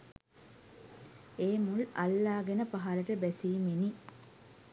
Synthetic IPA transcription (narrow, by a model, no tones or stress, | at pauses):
eːmulɐlːaːɡenəpaɦaləʈəbɛsiːmini